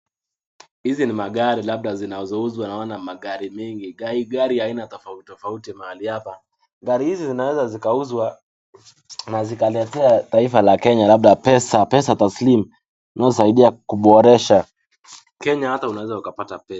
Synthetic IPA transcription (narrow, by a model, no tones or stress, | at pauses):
hizinimaɠaɾilaɓ̚ɗazinazɔuzwanawanamaɠaɾimɛŋɡiɡaiɡaɾihainatɔfautɔfautimahalihapa | ɡaɾihizizinawɛzazikauzwa | nazikalɛtɛataifalakɛɲalaɓ̚ɗapɛsapɛsataslimu | nazɔsaiɗiakuɓɔɾɛʃa | kɛɲahataunawɛzaukapatapɛs